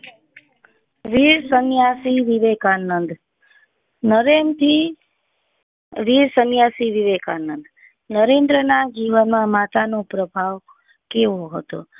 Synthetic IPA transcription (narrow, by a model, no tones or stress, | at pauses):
ʋiɾsənjasiʋiʋekanənd̪ | nəɾemt̪ʰi | ʋiɾsənjasiʋiʋekanənd̪ | nəɾẽnd̪ɾənad͡ʒiʋənmãmat̪anõpɾəbʱaʋ | keʋoɦət̪o̰